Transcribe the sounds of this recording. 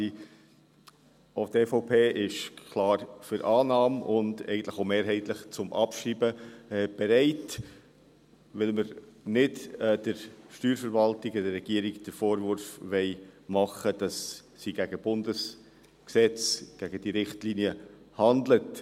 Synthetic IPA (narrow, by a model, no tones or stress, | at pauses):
otɛfoʊpʰeːʔɪʃkʰlɑːɾfʏɾʔɑːnɑːmʊndɛ̰ɪɡən̩t̪ləχoʊmeːɾɦɛɪtləχt͡sʊmʔɑpʃriːbəɛb̥ɛɾɛɪt | ʋɪlməɾnɪdɛd̥əɾʃtyːɾfəɾvɑltɪɡɔdərːɛɡ̥iːəɾiɡd̥əfoːɾvʊɾfʋɛɪmɑχəd̥ɑssiɡæɡ̥əb̥ʊndəs | ksɛt͡sɡ̥æɡ̥əd̥iɾɪχtliːniə | hɑndlət